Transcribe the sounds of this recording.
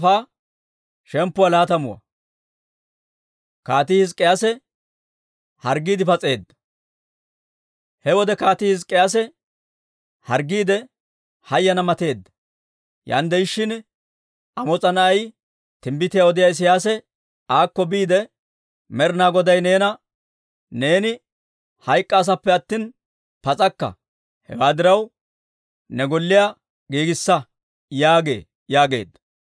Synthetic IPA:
faː | ʃɛmpːʊwalaːt̪ɐmʊwɐ̰ | kaːt̪ihɪskʼɪjasɛ | hɐɾɡiːd̪ɪpɐt͡sʼe̞ːd̪ːɐ̥ | hɛwɔd̪ɛkaːt̪ɪhɪs̬kʼːɪjas̬ɛ | hɐɾɡːiːd̪ɛ | hɐjːɐnɐmɐt̪e̞ːd̪ːɐ̥ | ja̰ːnd̪ɛjʃːɪn | ɐmɔt͡sʼɐnɐɐj | t̪ɪmbɪt̪ɪjaɔd̪ɪjaːɪs̬ɪjaːs̬ɛ | aːkːɔbiːd̪ɛ | mɛɾnaːɡɔd̪ɐjne̞ːnɐ | ne̞ːnɪ | hɐjkʼːɐːs̬ɐpːɛɐt̪ːin | pɐt͡sʼɐkːɐ̰ | hɛ̰waːd̪ɪɾɐw | nɛɡɔlːɪjaː | ɡiːɡɪsːɐ | jaːɡe̞̰ː | jaːɡe̞̰ːd̪ːɐ̥

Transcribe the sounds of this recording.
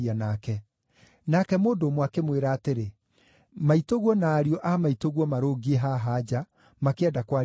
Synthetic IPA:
anakɛ | nakɛmoːndoːmwakemweɾaːteɾe | maitoɣwɔnaːɾiɔʔamaitoɣwɔmaɾoːɡieɦaɦad͡ʑa | makeɛdakwa

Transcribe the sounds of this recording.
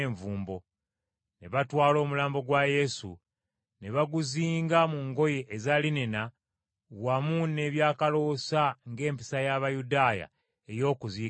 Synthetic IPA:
ɱvuːmbo̞ | ne̞βatwaːlo̞ːmulaːmbo̞ɡwaje̞sṵ | ne̞βaɡuziːŋɡamuːŋɡo̞jeʔezalinena | wamunːe̞βjaːkalo̞saŋɡe̞ːmpi̥sajaβajudaːja̰ | e̞jo̞ːkuziː

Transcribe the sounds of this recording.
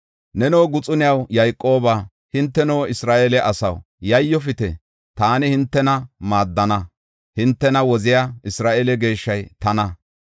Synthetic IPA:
nɛno̞ːɡʊt͡sʼʊnɪjɐwjajkʼːo̞ːbaː | hɪnt̪ːɛno̞ːɪsɾaːʔelɛʔɐsɐw | jɐjːɔfɪt̪ɛ̰ | t̪aːnɪhɪnt̪ːɛnɐmaːd̪ːɐnɐ | hɪnt̪ːɛnɐwɔzɪjaɪsɾaːʔeːlɛɡe̞ːʃːɐjt̪ɐnɐ

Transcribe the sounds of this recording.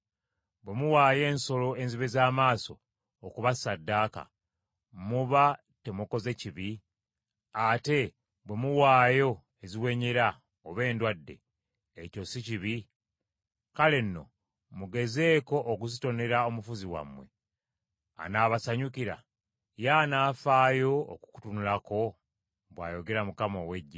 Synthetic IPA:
bwe̞muwaːje̞ːnso̞lo̞e̞nziβe̞zaːmaːso̞ː | kuβasadːaːka̰ | muβa | te̞muko̞ze̞ciβi | ate̞ | bwe̞muwaːjo̞ | eziwe̞ːɲeɾa | oβe̞ːndwadːe̞̰ː | co̞siciβi | kale̞nːo̞̰ | muɡe̞ze̞ːko̞ʔːkuzito̞ne̞ɾaomufuziwa̰mwe̞̰ | a̰naːβasaɲukiɾa̰ | janaːfaːjo̞̰ːku̥ku̥tunulako̞ | βwaːjo̞ɡe̞ɾamukamowe̞ɟːa

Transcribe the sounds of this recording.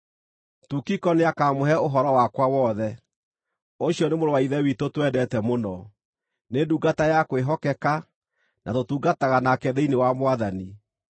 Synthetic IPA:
tukikɔneakamoɦɛoɦɔɾɔwakwawɔðɛ | oɕjɔnemoɾowaiðɛwitotwɛdɛtɛmonɔ | neduːɡatajakweɦɔkɛka | nʔatotuːɡataɣanakɛðeinewamoaðani

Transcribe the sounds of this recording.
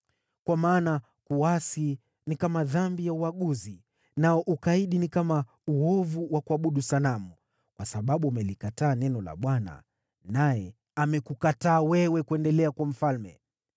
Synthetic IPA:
kwamaːna | kuasi | nikamaðambijauwaɠuzi | naɔʔukaiɗinikama | uɔvuwakuaɓuɗusalamu | kwasaɓaɓuamɛlikataːnɛnɔla̰ɓwana̰ | najɛ | amɛkukataːwɛwɛkuɛndɛlɛakwam̩falmɛ̰

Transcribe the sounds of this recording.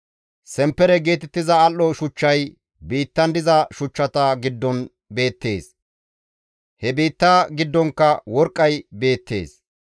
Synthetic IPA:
sɛmpːɛɾɛɡe̞ːt̪ɛt̪ːɪzɐːlːɔʃʊt͡ʃːɐj | biːt̪ːɐnd̪ɪzɐʃʊt͡ʃːɐt̪ɐɡɪd̪ːɔn | be̞ːt̪ːe̞̰ːs | hɛbiːt̪ːaːɡɪd̪ːɔŋkːɐwɔɾkʼːɐjbe̞ːt̪ːe̞̰ːs

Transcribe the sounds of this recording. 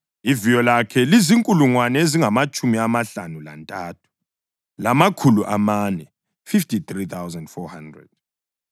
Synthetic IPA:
ivijɔlakʰɛliziŋkʼuluŋwanɛeziŋamat͡ʃʼumiamaɬanula̰ntʼaːtʰu̥ | lamakʰuluʔamanɛ | fiftʰʼitrit̪ʰawzɛndfɔhandrɛ̰d̥̚

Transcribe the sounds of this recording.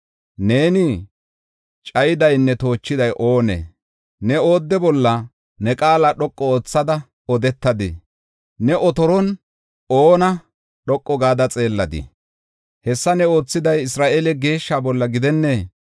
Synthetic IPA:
ne̞ːnɪ | t͡ʃʼɐjɪd̪ɐjnːɛt̪o̞ːt͡ʃːɪd̪ɐjʔo̞ːnḛ | nɛoːd̪ːɛbɔlːɐ | nɛkʼaːlaɗɔkʼːɔoːt͡sːɐd̪ɐ | ɔd̪ɛt̪ːɐd̪ɪ̰ | nɛʔɔt̪ɔɾɔn | oːnɐ | ɗɔkʼːɔɡaːd̪ɐt͡sʼe̞ːlːɐd̪ɪ̰ | hɛsːɐnɛo̞ːt͡sːɪd̪ɐjɪsɾaːʔelɛɡe̞ːʃːaːbɔlːɐɡɪd̪ɛnːeː

